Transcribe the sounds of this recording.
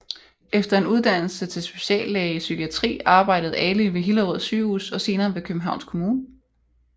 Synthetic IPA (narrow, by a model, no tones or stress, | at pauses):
efd̥ɐe̝nuð̞ˠd̥æn̰l̩sət͡sʰe̝lsb̥e̝̥ɕɛ̰ːlːɛːisykʰiæt͡sʰʁḭːɑ̈ːb̥ɑ̈ɪ̰dəð̩ˠɛliʋe̝ɦilɐʁɔð̰ˠsyːṵːsɒ̽se̝ːnɐːʋe̝kʰøb̥m̩ɦɑ̈ʊnskʰo̝muːnə